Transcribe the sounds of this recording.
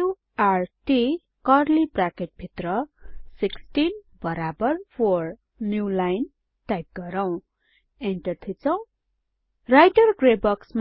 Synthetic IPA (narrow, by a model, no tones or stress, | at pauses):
u | arʈi | kʌrlibrakeʈ̚bʱit̪rʌsiksʈin | bʌɾabʌrpʰor | njulajn | ʈajp̚ɡʌɾaw̃ | enʈʌrt̪ʰit͡sʰʌ̃w̃ | rajʈʌrɡrebʌksm